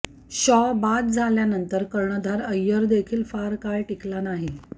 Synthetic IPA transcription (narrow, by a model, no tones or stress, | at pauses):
ɕɔbad̪̚d͡zʱaljanənt̪əɾkəɾɳəd̪ʱaɾəjːəɾd̪ekʰiːlfaɾkaɭʈiklanaɦi